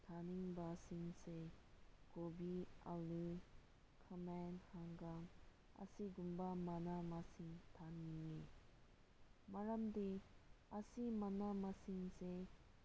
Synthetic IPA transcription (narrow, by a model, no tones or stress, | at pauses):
t̪ʰaniŋbasiŋsekobialu | kʰamɛnhaŋɡaŋ | ɐ̰siɡumbamanamasiŋt̪ʰaniŋːe | maɾamd̪easimanamasiŋse